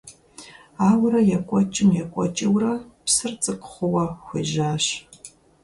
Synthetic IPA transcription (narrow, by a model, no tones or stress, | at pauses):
aːwɾɐjɛkʷʼɔt͡ʃʼɪmjɛkʷʼɔ̰t͡ʃʼɪwrɐpsɨrt͡sʼɨqʷχʷʊwɐxʷeʒaːɕ